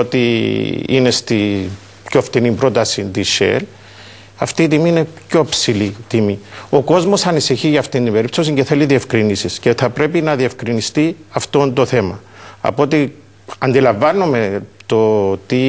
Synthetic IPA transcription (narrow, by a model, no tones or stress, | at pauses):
ot̪i | ḭne̞st̪i | pçoft̪inimbɾo̞t̪ɐsind̪iʃḛl | ɐft̪iːt̪imiːne̞pço̞epsilit̪imio̞ko̞zmo̞sɐnisiçiʝɐːft̪ind̪ibe̞ɾipt̪os̬iɲɟe̞θe̞liðie̞fkɾinisisce̞θɐpɾe̞pinɐðie̞fkɾinist̪iɐft̪o̞nd̪o̞θe̞mɐ | ɐ̰po̞t̪i | ɐnd̪ilɐɱvɐnːume̞t̪o̞t̪i